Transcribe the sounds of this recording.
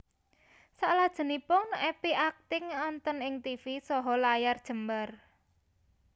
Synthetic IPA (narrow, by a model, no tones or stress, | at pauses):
saʔlad̥ʒ̥ə̤nipʊŋɛpiʔak̚t̪ɪŋɔnt̪ɔnɪŋt̪ifisɔɦɔlajard̥ʒ̥ə̤mbar